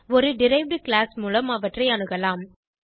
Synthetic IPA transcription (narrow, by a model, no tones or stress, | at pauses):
ɔɾɯɖɪɾɐɪʋɖɯklaːsmuːlɐmɐʋɐʈrɐɪɐnɯɣɐlaːm